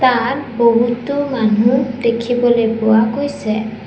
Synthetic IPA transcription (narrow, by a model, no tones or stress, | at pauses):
tat̚boɦutʊmanudekʰibɔlojpʊwakojsɛ